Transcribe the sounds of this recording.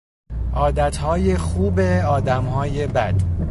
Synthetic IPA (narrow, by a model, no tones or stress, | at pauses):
ʔɒːd̪æt̪ʰhɒːjexuːbeɒːd̪æmhɒːje̞bæd̪̥